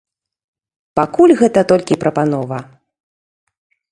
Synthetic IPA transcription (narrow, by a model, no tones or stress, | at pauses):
pakulʲɣɛt̪ɐt̪ɔlʲkʲipɾɐpanɔvɐ